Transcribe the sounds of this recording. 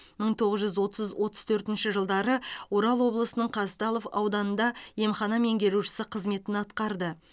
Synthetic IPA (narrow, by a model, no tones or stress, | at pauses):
məɴt̪ʰo̞ʁəzʒʏzwo̞t̪əzzwʔo̞t̪ə̥zt̪ʰɵɾt̪ɪnʃɪʒəlˠd̪ɑɾəwo̞ɾɑlˠwo̞blˠəsənəɴqʰɑst̪ɑlˠo̞fɑ̰wd̪ɑnənd̪ɑje̞mχɑnɑme̞ŋɡʲe̞ɾuʃɪ̥sɪqʰəzme̞t̪ɪnɑt̪qɑɾd̪ə